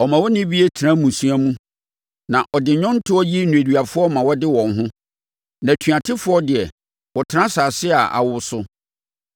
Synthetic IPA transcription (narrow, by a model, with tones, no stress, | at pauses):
ɔ˨mã˨wɔ˦nɪ̃˦bi˦e˦tʰɾã˦mũ˨sũ˦a˦mũ˦ | nã˨ʔɔ˨dɪ˨ɲɔ̃˦n˦tʰʊ˦ɔ˦ji˦nũ˨æ˨du˨a˨fʊ˦ɔ˦mã˨wɔ˦dɪ˦wɔ̃˨nɦʊ̃˦ | nã˨tʰɥa˨tʰɪ˦fʊ˦ɔ˦dɪ˨ɛ˨ | wɔ˨tʰɪ˦ɾã˦saː˨sɪ˦a˨ʔa̰˨wʊ˦sʊ˦